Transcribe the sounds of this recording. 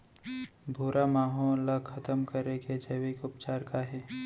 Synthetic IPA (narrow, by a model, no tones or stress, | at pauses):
bʱuːɾamaːɦoːlːəkʰɐt̪əmkɐɾeked͡ʒɐʋɪkʊpt͡ʃaːɾkaɦɛː